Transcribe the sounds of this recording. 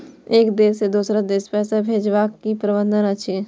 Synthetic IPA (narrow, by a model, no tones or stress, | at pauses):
eːkd̪eːsed̪uːsɾad̪eːspɛːsabʱeːd͡ʒʋaːkːipɾəbə̃nd̪ʱənəʃʰe